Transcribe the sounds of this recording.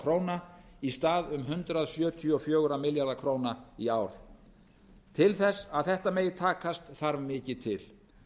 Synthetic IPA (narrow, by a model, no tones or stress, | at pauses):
kʰɾoːwna | ist̪aːðʏmɦʏnt̪ɾaðsjœːt̪ʰiɔfjoːɣɾamɪljaɾðakʰɾoːwnaiaːwɾ̥ | t̪ʰɪlθɛsːaðθɛht̪ameːjɪt̪ʰaːkast̪θaɾvmɪːcɪt̪ʰɪl̥